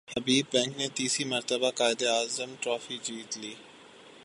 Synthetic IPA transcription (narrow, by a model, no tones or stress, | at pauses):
həbiːbːɛ̃ːŋknet̪iːsimɐɾt̪əbakaːɪd̪eaːzəmʈɾɔːfid͡ʒiːt̪liː